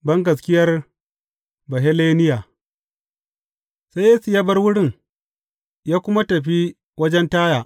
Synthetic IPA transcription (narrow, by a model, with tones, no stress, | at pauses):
bɐ˦ŋɡɐ˨s̬kʲɪ˦jɐ˦r | bɐ˨ɦe˦leː˦nɪ˦jaː˨ | sa˦jeː˦su˨jaː˦bɐ˦rwʊ˦ɽɪ˦˨ŋ | jaː˦kʷʊ˦ma˦tɐ˨ɸ̬i˦ | wɐ˦d͡ʒɛ˦ntaː˦jaː˨